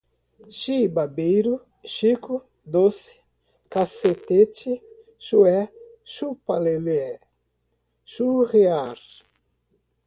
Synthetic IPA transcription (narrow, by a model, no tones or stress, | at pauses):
ʃibabejɾʊ | ʃikʊ | d̪osɪ̥ | kaset̪et͡ʃi | ʃuɛ | ʃupaleliɛ | ʃuheaɾ